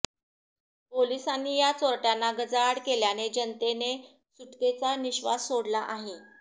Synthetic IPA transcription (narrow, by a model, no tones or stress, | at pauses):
polisanːiːjat͡soɾʈjanːaɡəd͡zaɽkeljaned͡ʑənt̪ene | suʈket͡saniɕʋa̰ssoɽlaʔaɦe